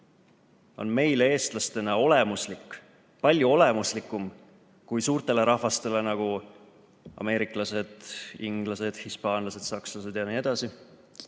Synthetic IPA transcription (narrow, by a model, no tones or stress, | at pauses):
o̞̰nme̞jlee̞ːst̪lɑst̪e̞nɑo̞le̞muslikːˑ | pɑlʲjuo̞le̞muslikːˑum | kujsuːrt̪e̞le̞ɾɑhvɑst̪e̞le̞nɑɡ̥u | ɑ̰me̞ːɾikˑlɑse̞d̪̥iŋɡ̥lɑse̞d̪̥hispɑːnlɑse̞d̪̥sɑkslɑse̞d̪jɑniːe̞d̪̥ɑsi